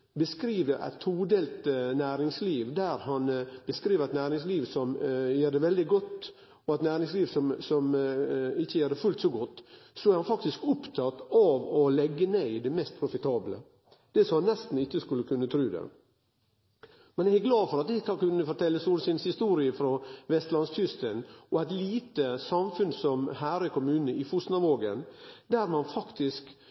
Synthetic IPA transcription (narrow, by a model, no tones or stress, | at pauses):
bəskɾiːʋəʔæ̰ɪt̪ʰːuːd̪ɛlt̪næːɾɪŋsliːʋd̪æɾhɑnb̥əskɾiːʋəɾɛt̪næːɾɪŋsliːʋsɔmjæːɖ̪ɛʋɛld̪ɪɡɔt̪ː | ɔæt̪næːɾɪŋsliːʋsɔmsɔm | ɪçːəjæːd̪ɛfʉlt̪sɔɡɔt̪ːsɔæɾhɑnfɑkt̪ɪskʊpt̪ʰɑt̪ɑʋɔlɛɡːəneɪd̪ɛmɛst̪̚pʰɾʊfɪt̪ʰɑːblə̰ | d̪̥ɛsɔmɑnːɛst̪n̩ɪçːəskʉlːəkʰʉnːət̪ʰɾʉːd̪ɛ̰ | mɛnjæɡæɡlɑːd̪fɔɾɑt̪̚d̪ɛkʰɑkʉnːəfɔʈ̪ʰɛlːəsuːlsɪnshɪst̪uːɾɪəfɾɔʋɛst̪lɑnst̪ʰʏst̪ənʔɔæɪt̪liːt̪əsɑmfʉnsɔmhæːɾɪkʰʊmʉːnəɪfʊst̪nɑʋoːɡənd̪æɾmɑnfɑkt̪ʰɪsk